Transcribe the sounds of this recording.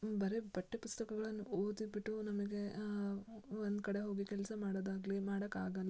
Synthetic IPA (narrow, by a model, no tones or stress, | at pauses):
bɐɾe̞bɐʈːipust̪ɐkɐɡɐɭɐnːuoːd̪ibiʈːunɐmɐɡe̞ | ond̪kɐɽeɦo̞ːɡikɛlsɐmaːɽd̪aːɡlimaːɽɐkaːɡɐnu